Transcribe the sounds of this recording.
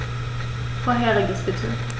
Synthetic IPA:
foɐɦɛːɐʁɪɡəsb̥ɪtʰə

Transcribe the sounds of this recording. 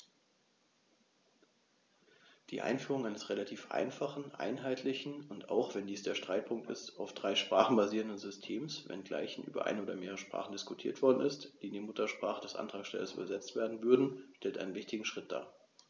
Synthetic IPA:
d̥iːʔa̰ɪnfyːʁ̞ʊŋaɪnəsʁelatʰiːfʔa̰ɪnfaχn̩ʔa̰ɪnɦaɪtʰlɪçn̩ʊnta̰ʊxv̥ɛndiːsd̥eːɐʃtʁ̥aɪt̚pʰʊŋk̚tɪ̰staʊfd̥ʁaɪʃpʁ̥aːχn̩baziːʁəndənzʏstʰeːmsvɛ̰nɡla̰ɪçn̩ʔy̰ːbɐ̰ʔa̰ɪnəoːdɐmeːʁəʃpʁ̥a̰ːχn̩dɪskʊtʰiːɐtv̥ɔɐdn̩ɪstd̥iːneːmʊtɐʃpʁ̥aːχədɛsʔa̰ntʁ̥aːksʃtɛ̰lɐsy̰ːbɐzɛt͡stv̥eːɐdn̩vʏɐdn̩ʃtɛltʔaɪnənvɪçtɪɡŋ̩ʃʁ̥ɪt̚d̥a̰ː

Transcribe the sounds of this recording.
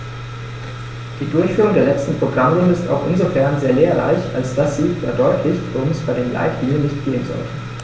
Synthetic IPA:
d̥iːdʊɐçfyːʁʊŋdeːɐlɛt͡stn̩pʁ̥oɡʁamʁʊndəɪsta̰ʊxʔɪ̰nzofɛɐnzeːɐleːɐʁa̰ɪça̰lsd̥asz̥iːd̥a̰ːdɔʏtʰlɪçʊnsb̥aɪdeːmla̰ɪtɡ̥iːnənːɪçtɡ̥eːənzɔ̰l

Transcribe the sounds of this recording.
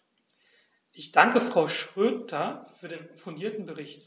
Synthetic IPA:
ʔɪçd̥aŋkəfʁ̥aʊʃʁ̥øːtʰɐfyːɐdeːnfʊndiːɐtn̩bəʁɪçt

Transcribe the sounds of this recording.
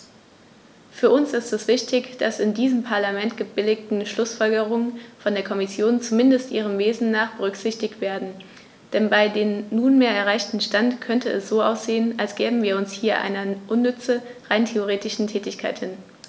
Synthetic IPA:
fyːɐʔʊnsɪstɛsv̥ɪçtɪçd̥asɪndiːzəmpʰaɐlamɛntɡ̥əbɪlɪk̚tn̩ʃlʊsfɔlɡəʁʊŋənfɔndeːɐkʰɔmɪsjoːnt͡sumɪndəstʔiːʁ̞əmveːzn̩naːχb̥əʁʏkz̥ɪçtɪçtv̥eːɐdn̩ | d̥ɛnbaɪdeːmːuːnmeːɐɛɐʁ̞aɪçtn̩ʃtantkʰœntəɛsz̥oːʔaʊsz̥eːənalsɡ̥ɛːbm̩viːɐʊnshiːɐʔa̰ɪnɐʔʊnːʏt͡səʁaɪntʰeoʁ̞eːtɪʃn̩tʰɛːtɪçkʰaɪthɪn

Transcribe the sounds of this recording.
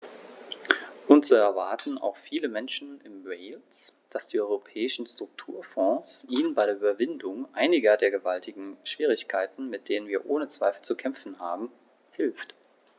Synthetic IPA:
ʔʊntz̥oɛɐvaɐtn̩a̰ʊxfiːləmɛnʃn̩ɪmʁɛɪlsd̥asd̥iːʔɔʏʁopʰɛːɪʃn̩stʁ̥ʊk̚tʰuːɐfɔ̃ːsʔiːnənbaɪɾeːʔyːbɐvɪndʊŋʔaɪnɪɡɐdeːɐɡəvaltʰɪɡŋ̩ʃv̥iːʁ̞ɪçkʰaɪtn̩mɪt̚d̥eːnənviːɐʔoːnət͡sv̥aɪfl̩t͡sukʰɛmfn̩haːbm̩ | hɪlft

